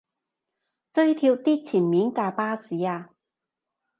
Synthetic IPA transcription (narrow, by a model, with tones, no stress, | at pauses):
t͡sɵ˥ɥt̪ʰiː˧wt̪iː˥t͡sʰiː˨˩nmiː˨˥nkaː˧paː˥siː˨˥aː˧